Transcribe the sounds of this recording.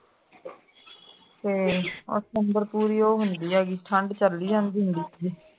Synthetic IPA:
t̪eːo̰sənd̪əɾpuːɾiːoːɦʊnd̪iːaːɡiːsʈʰəɳɖt͡ʃəlːiːãnd̪iːɦʊ̃nd̪iːi

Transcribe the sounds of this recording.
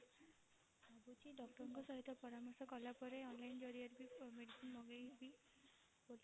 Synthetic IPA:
abut͡ʃʰiɖɔk̚ʈɔɾɔŋkɔsɔɦit̪ʰːɔpɔɾamɔɾsɔkɔlapɔɾeɔnlajnd͡ʒɔɾiaɾbimeɖisinmɔɡejbi | boli

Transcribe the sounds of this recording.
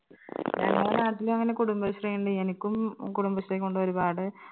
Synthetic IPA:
ɲa̰ːnaːɐnaːʈːilumɐŋːɐnekuɽumbɐɕrɐjːuɳɖɨenikʲːumkuɽumbɐslekːoɳɖɨʋɐɾubaːɽɨ

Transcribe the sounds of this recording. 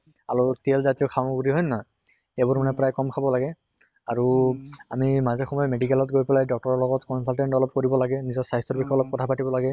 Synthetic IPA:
aɹutelzatiɔkʰaɡuɹiɦɔjnːa | ebuɹmanɛpɹajkɔmkʰabɔlaɡɛ | aɹuamimazɛxɔmɔjɔmedikɛlɔtɡojpɛlajdɔk̚tɔɹɔɹlɔɡɔtkɔnsalʈɛnʈɔlɔp̚koɹibɔlaɡɛnizɔsajstɔbikʰːɔɔlɔp̚kɔtʰapatibɔlaɡɛ

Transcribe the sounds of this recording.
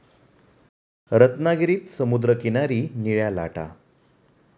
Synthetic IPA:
ɾət̪naɡiɾiːt̪səmud̪ɾəkinaɾiːniɭjala̰ʈa̰

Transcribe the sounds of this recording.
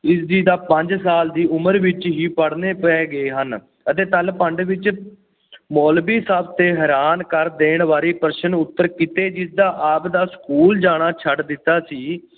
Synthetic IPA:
ɪsd̪iːd̪aːpəɲd͡ʒsaːld̪iːʊməɾʋɪt͡ʃɦiːpəɽneːpɛːɡəeːɦən | ət̪eːt̪əlpəɳɖʋɪt͡ʃ | moːlbiːsaːb̚t̪eːɦɛɾaːnkəɾd̪eːɳʋaːɾiːpəɾʃənʊt̪ːəɾkɪt̪eːd͡ʒɪsd̪aːʔaːpd̪aːskuːld͡ʒaːɽ̃aːt͡ʃʰəɖd̪ɪt̪ːaːsiː

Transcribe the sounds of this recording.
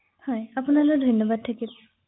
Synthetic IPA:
hɔjapunalokdʱɔjnːɔbad̚tʰakil

